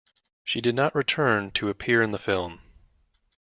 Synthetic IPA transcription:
ʃidɨdⁿnəʔɹɨtʰɜ̃˞ntʰɨɨpʰɪɹɨ̃nðəfɪlˠm

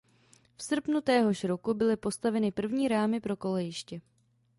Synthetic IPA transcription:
fsr̩pnut̪ɛːɦo̞ʃɾokubɪlɪpo̞st̪avɛnɪpr̩vɲiːɾaːmɪpɾo̞ko̞lɛjɪʃcɛ

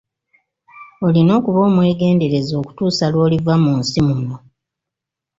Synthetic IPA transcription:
olino̞ːkuβo̞ːmwe̞ːɡe̞ːnde̞ɾe̞zo̞ːku̥tuːsalwo̞ːlivamunsimuno

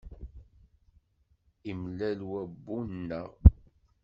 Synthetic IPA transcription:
imlælwæbːunnːəʁ

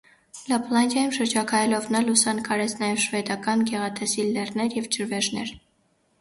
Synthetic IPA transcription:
lɑpʰlɑnd̪jɑjumʃəɾd͡ʒɑkʰɑjɛlɔvnɑlusɑnkʰɑɾɛt͡sʰnɑjɛvʃvɛd̪ɑkɑnɡɛʁɑt̪ʰɛsilɛrnɛɾjɛvt͡ʃəɾvɛʒnɛ̰ɾ

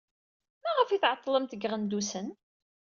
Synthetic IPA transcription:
mæʁəfiθʕət̪ˤːləmt̪əɡʁənd̪usən

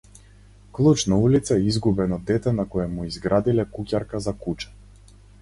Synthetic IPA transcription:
klˠut͡ʃnaulit̪saɛizɡubɛnɔd̪ɛt̪ɛnakɔjɛmuizɡɾʔad̪ilɛkucʲaɾkazakut͡ʃɛ̥

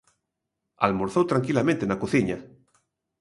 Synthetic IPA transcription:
almoɾθowt̪ɾaŋkilamẽnt̪enakoθiɲa

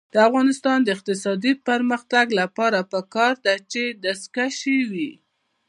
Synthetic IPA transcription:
d̪̥əafɣɑnɪst̪ɑnd̪əɪq̚t̪ɪsɑd̪ipəɾməxt̪aɡlapɑɾapəkɑɾd̪at͡ʃed̪askaʃewi

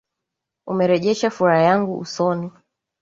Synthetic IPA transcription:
umɛɾɛʄɛʃafuɾajaŋɡuṵsɔni

